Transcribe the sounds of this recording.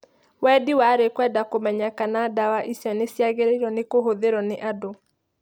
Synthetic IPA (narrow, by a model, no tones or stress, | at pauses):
wɛdiwaɾekwɛdakomɛɲakanadawaʔisjɔnesjaɣeɾeɾɔnekoɦoðeɾɔneʔado